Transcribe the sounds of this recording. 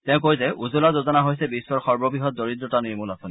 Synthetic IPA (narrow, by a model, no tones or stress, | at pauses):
tɛ̃ʊ̃k̬ojzɛʔuzulazozɔnaɦojsɛbisːɔɹxɔɹbɔbɹiɦɔt̚doɹidɹɔtaniɹmulɔsʊn